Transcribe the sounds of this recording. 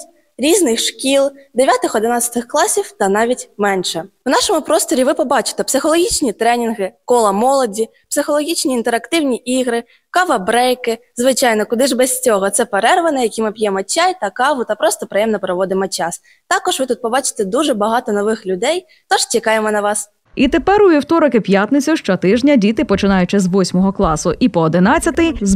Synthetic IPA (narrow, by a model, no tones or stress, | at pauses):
ɾʲiznɪxʃkʲilˠd̪eʋʲjat̪ɪxɔd̪ɪnɑt̪t͡sʲɐ̥t̪ɪxklˠɑsʲiwt̪ɐnɑʋʲitʲmɛnʃɛwn̪ɑʃɔmʊpɾɔst̪ɔɾʲiʋɪpɔbɑt͡ʃɪ̥t̪ɛpsɪxɔlˠɔɦʲit͡ʃnʲit̪ɾɛnʲinɦɪkɔlˠɐmɔlˠɔdʲi | psɪxɔlˠɔɦʲit͡ʃnʲiːnt̪ɛɾɐkt̪ɪwnʲiʔiɣɾɪ | kɑʋɐbɾɛjkɪzʋɪt͡ʃɑjnɔkʊd̪ɪʒbɛsʲt͡sʲɔɦɔt̪sɛpeɾɛrʋɐnɛjɐkʲimɪpʲjɛmɔt͡ʃajt̪ɐkɑʋʊt̪ɐpɾɔst̪ɔpɾɪjɛmnɔpɾɔʋɔd̪ɪmɔt͡ʃɑs | t̪ɑkɔʒʋɪt̪ut̪̚pɔbɑt͡ʃɪ̥t̪ɛd̪uʒɛbɐɦɑt̪ɔnɔʋɪxlʲʊd̪ɛj | t̪ɔʒ̥t͡ʃʲikɑjemɔnɐʋɑs | it̪epɛɾʊiwt̪ɔɾɔkɪpʲjat̪nɪt͡sʲʊʃt͡ʃɔt̪ɪʒnʲɐdʲit̪ɪpɔt͡ʃɪnɑjʊt͡ʃɪzʋɔsʲmɔɦɔklˠɑsʊʔipɔːd̪ɪnɑt͡sʲɐt̪ɪz